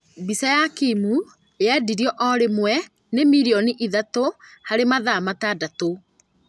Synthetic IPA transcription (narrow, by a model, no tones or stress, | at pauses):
bisajakimu | adiɾiɔʔɔɾemwɛ | nemiɾiɔniʔiðatohaɾemaðamatadato